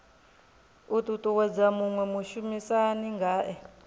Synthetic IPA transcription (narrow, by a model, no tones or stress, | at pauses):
utʼutʼuwɛd͡zamuŋwɛmuʃumisaniŋɡaːʔɛ